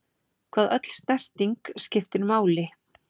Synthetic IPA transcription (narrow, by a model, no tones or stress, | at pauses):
kʰv̥aːðʔœt̪l̥st̪nɛr̥t̪iŋkscɪft̪ɪɾmaːwlɪ